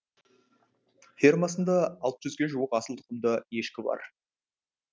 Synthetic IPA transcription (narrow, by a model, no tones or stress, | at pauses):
fʲermɑsənd̪ɑɑlˠt̪ʒʏzɡʲe̞ʒuwəqɑsəlˠt̪ʰə̥qəmd̪əje̞ʃkʲɪbɑ̰ɾ